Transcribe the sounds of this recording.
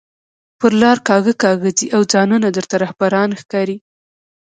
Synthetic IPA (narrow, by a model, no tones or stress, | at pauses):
pəɾlɑɾkɑɣəkɑɣəd͡ziʔawd͡zɑnunad̪əɾt̪aɾahbaɾɑnxkɑɾi